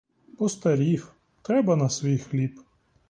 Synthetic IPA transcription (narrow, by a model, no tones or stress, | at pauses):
pɔst̪ɐɾʲif | t̪ɾɛbɐnɐsʋʲijxlʲip